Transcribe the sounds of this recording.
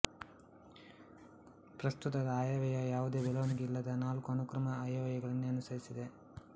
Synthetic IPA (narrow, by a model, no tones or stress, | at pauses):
pɾɐst̪ut̪ɐd̪ɐaːjaʋɐjɐjaːʋud̪e̞ːbɛlɐʋɐniɡeilːɐd̪ɐnaːlkuɐnukɾɐmɐaːjɐʋɐjɐɡɐɭɐnːuɐnusɐɾisid̪e